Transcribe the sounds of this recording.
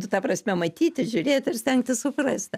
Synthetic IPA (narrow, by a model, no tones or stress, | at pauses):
t̪ʊt̪ɑːprɐsʲmʲɛmɐt̪ʲiːt̪ʲɪʒʲʊɾʲeːt̪ʲɪrsʲt̪ʲɛŋk̚t̪ʲɪsʊprɐsʲt̪ʲ